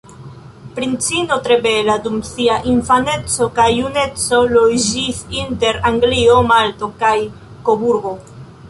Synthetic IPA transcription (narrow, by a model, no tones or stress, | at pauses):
pɾint͡sino̞tɾe̞be̞ladumsiaʔinfane̞t͡so̞kajune̞t͡so̞lod͡ʒisinte̞ɾaŋɡlio̞maltokaj | kobuɾɡo̞